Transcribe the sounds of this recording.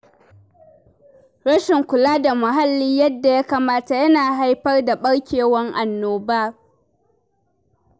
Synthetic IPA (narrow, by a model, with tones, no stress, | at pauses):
ɾɐ˦ʃɪ˨ŋkʷʊ˨laː˦da˨mʊ˨ɦa˦lːiː˦jɐ˦dːa˨ja˦kaː˨maː˦ta˨jɐ˦naː˨ɦa˦jɸɐ˦rda˨ɓɐ˦ɽkʲeː˨wɐ˦ŋʔa˨nːoː˨baː˦